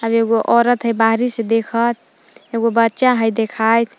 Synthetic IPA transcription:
əbeɡoʔɔɾət̪ɦəjbaɦɾised̪ekʰət̪̚ʰ | eɡobətːʃaɦəjd̪ekʰajt̪ʰ

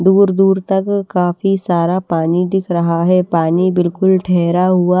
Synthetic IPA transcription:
d̪uːɾd̪uːɾt̪ɐkːaːfisaːɾapaːnid̪ɪkʰɾɐɦaɦɛpaːnibɪlkʊlʈʰɛɦːɾaɦʊa

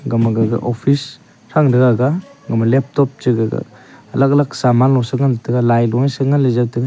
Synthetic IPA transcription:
ɡamaɡaɡa̰ʔɔpʰis | ɾaŋdɯɡaɡaɡamalep̚tɔp̚t͡ʃɯɡaɡa̰ɐlaklaksamanlːɔsɯŋantʰɐɡalajlɔnsɯŋanlezatɯɡa

